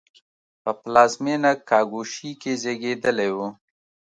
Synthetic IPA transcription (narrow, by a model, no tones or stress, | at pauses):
pəplɑzmenakɑɡuʃikezeɡed̪əlejwu